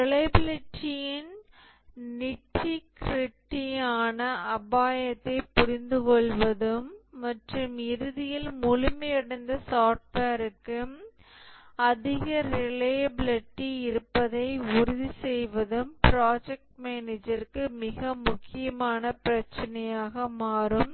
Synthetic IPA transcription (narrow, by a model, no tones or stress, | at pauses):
ɪlɐɪbɪlɪʈːɪjɪn | nɪʈːikɪɾɪʈːɪjaːnɐʔɐbaːjɐt̪ːɐɪpʊɾɪnd̪ɯkɔɭʋɐðɯmːɐʈrɯmɪɾɯðɪjɪlmʊlʊmɐjɛɽɐnd̪ɐsaːpaːɾɯkːɯ | ɐðɪɣɐɾɪleːblɪʈːiɪɾɯpːɐðɐɪʊɾʊðisɛjʋɐðɯmpɾaːd͡ʒɛk̚ʈmeːneːd͡ʒɐɾkːɯmɪɣɐmʊkːɪjɐmaːnɐpɪɾɐt͡ʃːɐnɐjaːɣɐmaːɾɯm